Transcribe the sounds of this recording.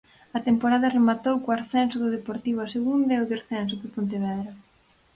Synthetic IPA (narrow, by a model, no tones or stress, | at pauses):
ɐt̪empoɾaðɐremat̪owkoaɾθɛnsʊðʊðepoɾt̪iβoaseɣund̪ɐoðaɾθɛns̬ʊðʊpont̪eβɛðɾɐ